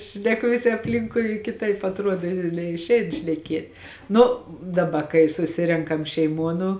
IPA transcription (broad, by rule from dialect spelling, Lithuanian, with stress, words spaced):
ʃʲnʲɛˈkʊ ʋʲɪˈsʲɪ ɐpʲˈlʲɪŋkʊɪ kʲɪˈtɐɪp ɐtˈruɔt nʲɛɪʃʲˈɛɪn ʃʲnʲɛˈkʲeːt ˈnʊ dɐˈbɐ kɐɪ sʊˈsʲɪrʲɛŋkɐm ʃʲɛɪˈmuɔ nʊ